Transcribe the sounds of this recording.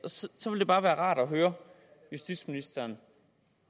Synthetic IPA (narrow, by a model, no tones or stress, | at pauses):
ssɒ̽ʋe̝lde̝b̥ɑ̈ːʋæːɐʁɑ̈ːɾ̥ɒɦøːɐ | jusd̥id̥sminisd̥ɐːn